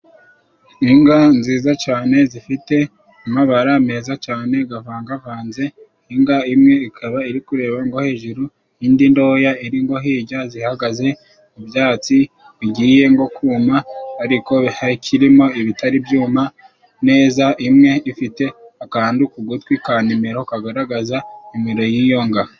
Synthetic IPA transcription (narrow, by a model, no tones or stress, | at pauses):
iŋɡanziːzat͡ʃaːne̞zifite̞ | umaβaɾame̞ːzat͡ʃaːne̞ɡavaːŋɡavaːnze̞ | iŋɡaimŋe̞ikʰaβaiɾikuɾe̞ːβaŋɡo̞he̞ːʒuɾu | iːndindo̞ːjaiɾiŋɡo̞ɦiːɟazihaɡaze̞ | mubjaːt͡si | βiɟiːje̞ŋɡo̞kuːmaːɾiko̞akʰiɾimo̞iβitaɾibjuːma | ne̞ːzaʔimŋe̞ifite̞akaaːndukuɡutwikaːnimiɾokaɡaɾaɡazaimiɾo̞jiːjo̞ŋɡa